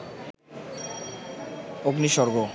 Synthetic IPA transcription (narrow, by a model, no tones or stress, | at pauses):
oɡniʃɔɾɡo